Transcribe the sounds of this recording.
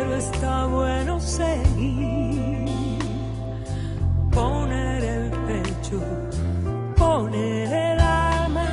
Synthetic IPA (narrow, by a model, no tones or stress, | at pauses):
ɾoest̪aβwenoseɣi | poneɾelpe | t͡ʃo | poneɾelalma